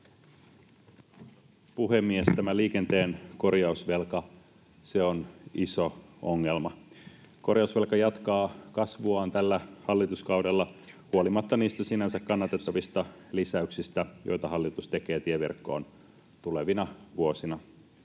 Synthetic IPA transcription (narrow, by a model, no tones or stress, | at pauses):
puɦemːiest̪æmæliːke̞nt̪e̞ːnko̞rjɑusʋe̞lkɑ | se̞onisoo̞ŋːe̞lmɑ | ko̞rjɑusʋe̞lkɑjɑt̪kɑːkɑsʋuɑːnt̪ælːæhɑlːit̪uskɑwdelːɑ | huolimɑt̪ːɑniːst̪æsinænsækkɑnːɑt̪et̪ːɑʋist̪ɑ | lisæyksist̪æjʔo̰jt̪ɑɦɑlːit̪ust̪e̞ke̞ːt̪ieʋḭrkːo̞̰ːn | t̪uleʋinɑʋuosinɑ